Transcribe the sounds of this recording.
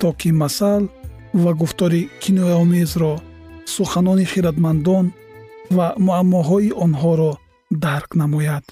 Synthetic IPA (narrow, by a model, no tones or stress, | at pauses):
t̪ʰɔkʰimasal | vaɡuft̪ɔɾikʰinɔjaɔmezɾɔ | suχanɔniχiɾad̪mand̪ɔn | vamuamːɔɦɔiʔɔnɦɔɾɔ | d̪aɾqnamɔjad̪̥